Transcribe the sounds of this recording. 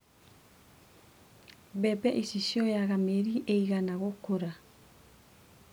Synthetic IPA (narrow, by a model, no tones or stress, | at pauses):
bɛbɛʔisisioeaɡameɾiʔejɡanaɣokoɾa